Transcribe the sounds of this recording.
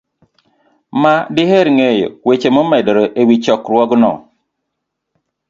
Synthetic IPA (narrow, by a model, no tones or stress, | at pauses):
madɪheɾŋejo̰wet͡ʃemomɛdɾoʔewit͡ʃɔkɾwɔɡnɔ̰